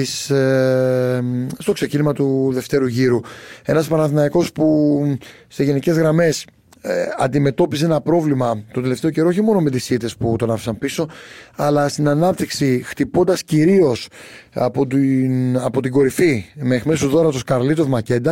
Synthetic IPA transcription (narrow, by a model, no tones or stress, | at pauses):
is | st̪o̞kse̞cinimɐt̪uðe̞ft̪e̞ɾuʝiɾue̞nɐspɐɾnɐθinɐiko̞spu | se̞ʝe̞nice̞zɣɾɐme̞s | ɐnd̪ime̞t̪o̞pis̬e̞nɐpɾo̞vlimɐt̪ot̪ele̞ft̪eoce̞ɾooçimo̞nome̞t̪isit̪e̞sput̪o̞nɐfi̥sɐnpiso̞ɐlɐst̪inɐnɐp̚t̪iksixt̪ipo̞nd̪ɐsciɾio̞sɐ̰pot̪iɐpo̞t̪iɡo̞ɾifimeːxmesuzðo̞ɾɐt̪oskɐɾlit̪o̞vmɐce̞nd̪ɐ